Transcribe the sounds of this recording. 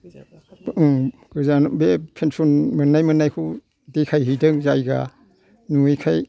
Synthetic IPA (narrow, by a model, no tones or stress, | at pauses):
ɡ̥ɯzanbepʰensɔnmɯnːajmɯnːajkʰu | dekʰajɦijdɯŋzajɡa̰ | nuikʰaj